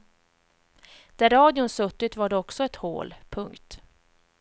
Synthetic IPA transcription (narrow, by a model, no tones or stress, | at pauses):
d̪̥æɾɑːd̪ɪʊnsɵt̪ːɪt̪vaɖɛɔksɔɛt̪ho̰ːlpʰɵŋkt̪